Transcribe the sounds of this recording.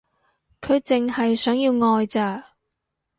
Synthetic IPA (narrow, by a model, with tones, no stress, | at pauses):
kʰɵ˨˧ɥt͡sɪ˨ŋhɐ˨jsœː˨˥ŋjiː˧wŋɔː˧jt͡saː˧